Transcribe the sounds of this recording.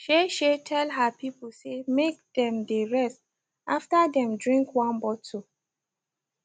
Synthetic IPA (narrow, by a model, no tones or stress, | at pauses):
ʃeʃetʰɛlɦapipusemek̚dɛ̃mdeɹɛst | ʔaftadɛ̃mdɹĩŋkwãnbɔtʰu